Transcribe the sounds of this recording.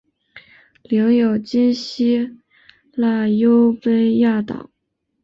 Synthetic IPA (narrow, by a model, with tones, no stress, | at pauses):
ljɑ˧˥ŋjo˨˩ʊt͡ɕi˥nɕi˥ | la˥˩jo˥ʊpe˥ɪja˥˩t̪ɑ̰˨˩˦ʊ